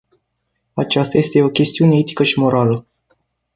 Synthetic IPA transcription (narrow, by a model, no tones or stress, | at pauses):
at͡ʃast̪aje̞st̪e̞o̞kʲe̞st̪iune̞e̞t̪i̥kəʃimo̞ɾalə